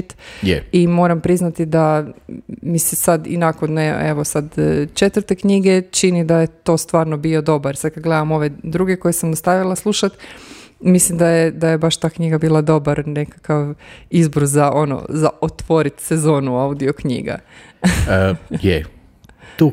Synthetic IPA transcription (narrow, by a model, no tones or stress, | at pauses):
t̪jɛ̰imo̞ːɾampɾiznat̪id̪a | misesad̪ḭnakod̪neeʋosad̪t͡ʃe̞t̪ʋɾt̪e̞kɲiɡe̞t͡ʃinid̪ajet̪o̞ːst̪ʋaːɾnobio̞d̪o̞baɾisad̪̚kad̪̚ɡle̞d̪amo̞ʋed̪ɾuɡe̞ko̞jesamnast̪aʋjalˠaslˠuʃat̪ | mislimd̪ajed̪ajebaʃt̪aːkɲiɡabiːlˠad̪o̞baɾne̞kḁkaʋizboɾzaʔo̞no̰zaʔot̪ʋo̞ɾit̪sezo̞ːnuaud̪io̞kɲḭɡa̰ | jḛ | t̪u